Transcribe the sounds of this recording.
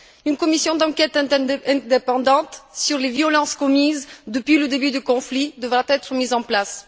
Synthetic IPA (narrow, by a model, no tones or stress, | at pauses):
ynkɔmisjɔ̃d̪ɑ̃kɛt̪ɛ̃ɛ̃d̪epɑ̃d̪ɑ̃t̪syʁlevjɔlɑ̃skɔmizd̪əpɥiləd̪ebyd̪ykɔ̃flid̪əvʁat̪ɛt̪χəmizɑ̃plas